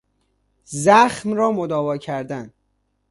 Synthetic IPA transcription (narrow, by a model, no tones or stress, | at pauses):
zæxmrɒːmod̪ɒːvɒːcʰæɾd̪æn